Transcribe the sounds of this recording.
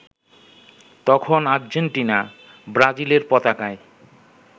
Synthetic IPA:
t̪ɔkʰonaɾd͡ʑeɳʈina | bɾad͡ʑileɾpɔt̪akae

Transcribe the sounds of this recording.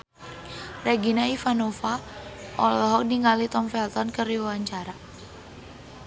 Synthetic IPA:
rɛɡinaifanofaʔɔlɔɦɔk̚diŋalit̪ɔmfɛlt̪ɔnkəriwawaɲt͡ʃaɾa

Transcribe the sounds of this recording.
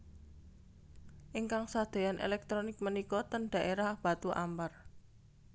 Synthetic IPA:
ʔiŋkaŋsad̪̥o̤janʔḛlɛk̚t̪ɾɔnɪk̚mənikɔt̪ənɖ̪̥a̤ʔeɾahb̥ä̤t̪uʔampər

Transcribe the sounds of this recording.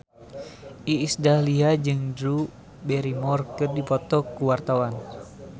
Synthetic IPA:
ʔiːsdahliɦad͡ʒɨŋdɾu | bɛɾimɔrkɨrdipɔt̪ɔkuwart̪awan

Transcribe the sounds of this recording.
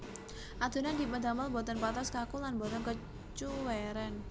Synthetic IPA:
ʔad̪̥o̤nand̪i̤pəd̪aməlbɔ̤t̪ɔnpat̪ɔskakulanbɔt̪ɔnkə | t͡ʃuwɛɾɛn

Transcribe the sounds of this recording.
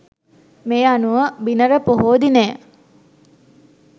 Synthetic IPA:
mejanuʋəbinəɾəpoɦoːd̪ineː

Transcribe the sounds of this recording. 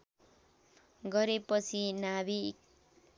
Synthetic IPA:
ɡʌɾepʌt͡sʰinabi

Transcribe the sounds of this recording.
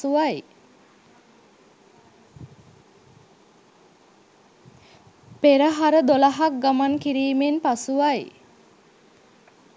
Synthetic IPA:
uʋaj | peɾəɦaɾəd̪olaɦak̚ɡamankiɾiːmenpasuʋaj

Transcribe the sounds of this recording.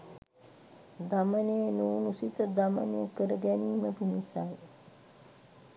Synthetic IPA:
d̪amənejənuːnusit̪əd̪amə̰neəkəɾəɡɛniːməpinisaj

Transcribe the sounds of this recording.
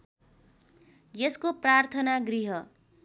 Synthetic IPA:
jeskoprart̪ʰʌnaɡriɦʌ

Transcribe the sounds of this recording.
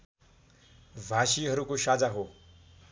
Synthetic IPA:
bʱasiɦʌɾukosad͡zaɦo

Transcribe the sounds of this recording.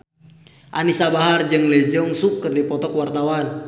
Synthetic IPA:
ʔanisabaɦard͡ʒɨŋlɛd͡ʒəŋsukːərdipɔt̪ɔkwart̪awan

